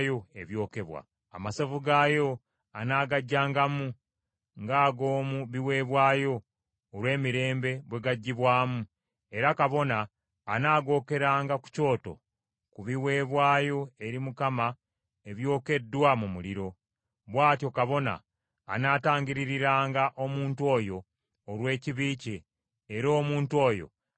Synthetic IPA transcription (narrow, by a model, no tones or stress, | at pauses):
jo̞e̞βjo̞ːke̞βwa̰ | a̰masovuɡaːjo̞ | anaːɡaɟːaːŋɡamu | ŋɡaːɡoːmuβiwe̞ːβwaːjo̞ː | ɾwe̞ːmiɾe̞ːmbe̞βwe̞ɡaɟːiβwaːmu | e̞ɾakaβo̞naː | naːɡo̞ːke̞ɾaːŋɡaku̥co̞ːto̞̰ | kuβiwe̞ːβwaːjo̞e̞ɾimukama | e̞βjo̞ːke̞dːwamumuliɾo̞ | βwaːtjo̞kaβo̞na̰ː | naːtaːŋɡiɾiɾiɾaːŋɡaʔo̞muːntuo̞ːjo̞ː | ɾwe̞ːciβiːceː | ɾo̞ːmuːntwo̞ːjo̞̰